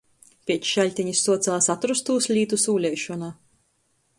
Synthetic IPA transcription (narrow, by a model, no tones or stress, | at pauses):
pʲiɛt͡ʃʃalʲt̪ʲiɲisːuɔt̪saːsat̪ɾust̪uːslʲiːt̪usuːlʲɛjʃɔnaː